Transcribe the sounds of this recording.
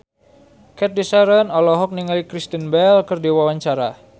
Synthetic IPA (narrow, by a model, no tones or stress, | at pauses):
kɛt̪̚disaɾənɔlɔɦɔk̚niŋalikɾist̪ənbɛlkərdiwawaɲt͡ʃaɾa